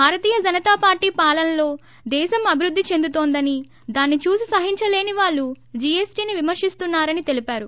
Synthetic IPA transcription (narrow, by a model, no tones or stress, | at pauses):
bʱaːɾɐt̪iːjɐd͡ʒɐnɐt̪aːpaːɾʈiːpaːlɐnlo̞ː | d̪ɛːʃɐmɐbʱiɾud̪ːit͡ʃe̞nd̪ut̪o̞ːnd̪ɐni | d̪aːnːit͡ʃuːsisɐɦiɲt͡ʃɐle̞ːniʋaːɭːu | d͡ʒiesʈiːniʋimɐɾʂist̪unːaːɾɐnit̪e̞lipaːɾu